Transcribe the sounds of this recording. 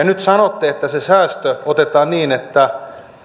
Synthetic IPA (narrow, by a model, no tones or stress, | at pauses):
nyt̪sɑnot̪ːeet̪ːæsesæːst̪øot̪et̪ɑːnniːnet̪ːæ